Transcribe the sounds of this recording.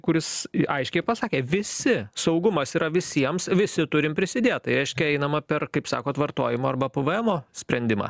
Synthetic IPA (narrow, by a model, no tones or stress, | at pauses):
kʊɾʲɪsʔɐɪʃʲkʲɛɪpɐsɑːkʲeːʋʲɪsʲɪsɐʊɡʊmɐsiːɾɐʋʲɪsʲiɛmsʋʲɪsʲɪt̪ʊɾʲɪmpʲɾʲɪsʲɪd̪ʲeːt̪̚t̪ɐɪɾʲɛɪʃʲkʲɛɛɪnɐmɐpʲɛrkɐɪpsɑ̰ːkoːt̪ʋɐrt̪o̰ːjɪmoːɐrbɐpʊʋɐɛmoːsʲpʲɾʲɛnʲd̪ʲɪmɑ̰ː